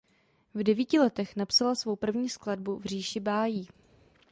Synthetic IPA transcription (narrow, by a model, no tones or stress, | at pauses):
vdɛviːcɪlɛt̪ɛxnapsalasvowpr̩vɲiːskladbuvr̝iːʃɪbaːjiː